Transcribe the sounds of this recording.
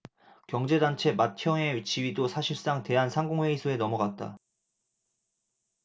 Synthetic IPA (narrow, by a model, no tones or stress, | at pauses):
kjʌŋd͡ʑe̞dant͡ɕʰe̞mat̚kʰjʌŋeit͡ɕʰiɥidosʰaɕʰips͈aŋte̞ɦansʰaŋɡoŋwe̞isʰoe̞nʌmʌɡat̚t͈a̰